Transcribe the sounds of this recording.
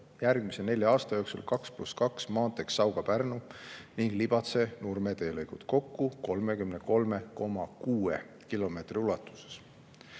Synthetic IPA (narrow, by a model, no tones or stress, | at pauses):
jærɡ̥mise̞ne̞lʲjɑɑːst̪ɑjo̞ksṵlkɑkspluskɑksmɑːt̪e̞ksːɑwɡ̥ɑpærnuniŋɡ̥lib̥ɑt̪se̞nurme̞t̪e̞ːlɤjɡ̥ut̪ko̞kːuko̞lme̞kymneko̞lme̞ko̞mɑkuːḛ | kilo̞me̞t̪riulɑt̪ːˑu̥se̥s